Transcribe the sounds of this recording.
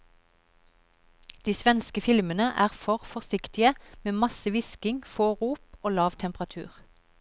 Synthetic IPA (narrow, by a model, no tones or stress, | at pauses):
d̪̥iːsʋɛnskəfɪlmənəʔæːʁfɔʁfɔʁsɪkt̪ɪəmeːmɑsəʋɪskɪŋfoːʁuːpoːlɑːʋt̪ʰɛmpʁɑt̪ʰʉ̰ːʁ